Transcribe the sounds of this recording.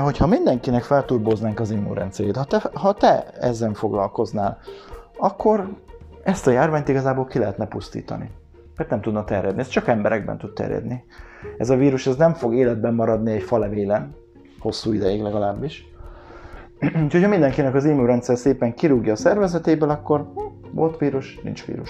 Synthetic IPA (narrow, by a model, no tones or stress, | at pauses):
ɦo̞cʰhɒmind̪ɛŋkinɛkfɛlt̪uːrboːznaːŋkɒzimṵɾɛ̰nt̪sɛɾeːt̪hɒt̪ɛhɒt̪ɛɛ̰zːɛɱfo̞ɡlɒ̰lko̞znaːlɒkʰːo̞ɾ | ɛst̪ɒjaːrvaːɲt̪iɡɒzaːboːlkilɛɦɛt̪nɛpust̪ḭːt̪ɒ̰nḭ | mɛrt̪nɛmt̪ud̪nɒt̪ɛrjɛd̪niɛst͡ʃɒkɛmbɛɾɛ̰ɡ̚bɛ̰nt̪ut̪̚t̪ɛ̰rjɛ̰d̪niɛ̰zɒviːɾuʃɛznɛɱfo̞ɡeːlɛd̪̚bɛmːɒɾɒd̪niɛcfɒlɛveːlɛn | ho̞sːuːid̪ɛjiɡlɛɡɒlaːbːiʃ | uːcʰhocʰɒmind̪ɛŋkinɛkɒziːmuːɾɛnt̪sɛɾseːpɛŋkiɾuɡjɒːsɛrvɛzɛt̪eːbɛlɒkːo̞rvo̞lt̪ʋiːɾuʃnḭnt͡ʃʋḭːɾuʃ